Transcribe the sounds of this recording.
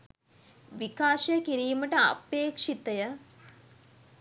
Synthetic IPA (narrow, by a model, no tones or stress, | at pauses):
ʋikaːʃɐjəkiɾiːməʈəa̰peːkʂit̪əjə